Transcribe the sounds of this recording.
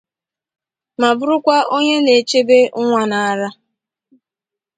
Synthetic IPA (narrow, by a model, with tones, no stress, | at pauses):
ma˨bʊ˦ɾʊ˦kʷa˦ʔo˦ɲe˦ne˨t͡ʃe˦be˦ʊ˦ŋʷa˦na˨a˨ɾa˦